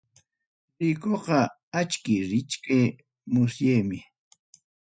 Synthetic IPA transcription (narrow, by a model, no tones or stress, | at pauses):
ɾɪkoqɑ | at͡ʃkɪɾɪt͡ʃkaj | mʊsjajmɪ